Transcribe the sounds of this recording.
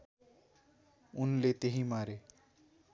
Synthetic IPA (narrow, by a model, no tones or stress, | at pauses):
ʊnlet̪eɦĩmaːɾe